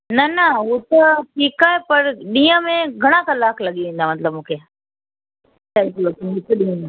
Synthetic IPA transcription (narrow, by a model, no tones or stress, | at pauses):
nɐnɐɦut̪ɐʈʰiːkaːɦepɐɾɗĩːə̃mẽɡʱɐɽ̃ãkɐlaːkʰlɐɠiʋẽːnd̪amɐt̪ləbmũːkʰeː | saːiklɐt̪oɦʊt̪ɐɗĩna